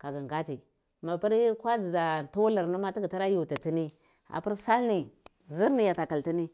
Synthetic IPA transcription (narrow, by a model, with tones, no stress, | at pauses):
ka˨ɡa˨ŋɡa˦ti˨ | ma˨pi˦ɾkʷa˦d͡zi˨za˨n˨tu˦wu˦la˨ɾnu˦ma˦ti˦ɡi˨ta˦ɾa˦ju˨ta˨ti˦ni˦ | a̰˨pi˦ɾsa˦lni˨ | zi˦ɾni˨ja˨ta˨ka˨lti˦ni˦